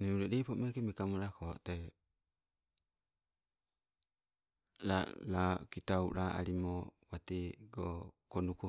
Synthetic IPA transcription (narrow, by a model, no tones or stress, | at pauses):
neuɾedeipomekemekamoɾakot̪e | lalakitauɾaʔa̰ɾimowat̪eɡokonuku